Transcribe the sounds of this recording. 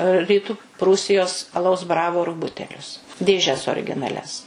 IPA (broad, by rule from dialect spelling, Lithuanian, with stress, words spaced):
rʲiːˈtʊ ˈpruːsʲɪjoːs ɐˈlˠɐʊs ˈbrɑːʋoːrʊ ˈbʊtʲɛlʲʊs dʲeːˈʒʲɛs oːrʲɡʲɪnɐˈlʲɛs